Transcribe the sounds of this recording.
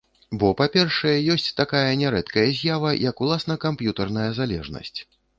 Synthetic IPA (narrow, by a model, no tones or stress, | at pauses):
bɔpapʲɛrʂɐjɛjɔsʲt͡sʲt̪akajɐnʲɛɾɛt̪kɐjɐzʲjavɐjɐkulˠasnɐkampjut̪ɐrnɐjɐzalʲɛ̰ʐnɐ̰sʲt͡sʲ